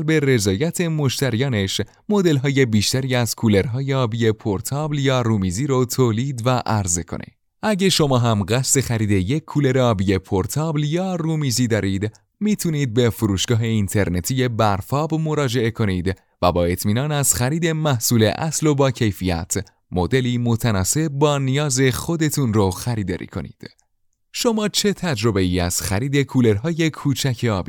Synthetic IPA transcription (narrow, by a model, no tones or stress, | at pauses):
lbe̞re̞zɒːjæt̪ʰe̞moʃt̪æɾijɒːne̞ʃ | mo̞d̪e̞lɦɒːje̞biːʃt̪æɾiːæzkʰule̞ɾɦɒːjeɒːbije̞pʰoɾt̪ʰɒːbljɒːɾumiziːɾot̪ʰoːliːd̪væʔæɾze̞̰kʰo̰nḭd̪ | ʔæɟe̞ʃo̞mɒːɦæmɢæst̪e̞xæɾiːd̪e̞je̞kʰːuːle̞ɾeɒːbije̞pʰoɾt̪ʰɒːbljɒːruːmiziːd̪ɒːɾiːd̪ | miːt̪ʰuniːd̪̚be̞fuɾuːʃɡ̥ɒːɦe̞int̪ʰe̞ɾne̞t̪ʰije̞bæɾfɒːbmo̞ɾɒːd͡ʒe̞e̞kʰo̞niːd̪ | væbɒːe̞t̪ʰmiːnɒːnæzχæɾiːd̪e̞mæhsuːle̞̰ʔæ̰slo̞bɒːcʰe̞jfijæ̰t̪ʰ | mo̞d̪e̞liːmo̞t̪ʰænɒːse̞b̚bɒːnijɒːze̞χo̞d̪e̞t̪ʰunroxæɾiːd̪ɒ̰ːɾḭːkʰo̞̰nḭːd̪̥ | ʃo̞mɒːt͡ʃʰe̞t̪ʰæd͡ʒɾo̞be̞iæz̥xæɾiːd̪e̞kʰuːle̞ɾɦɒːje̞kʰuːt͡ʃʰæcʰe̞ɒːbiː